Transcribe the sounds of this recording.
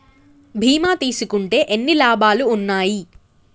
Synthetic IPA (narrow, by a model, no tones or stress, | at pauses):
bʱiːmaːt̪iːsukuɳʈe̞ːʔenːilaːbʱaːluːnːaːji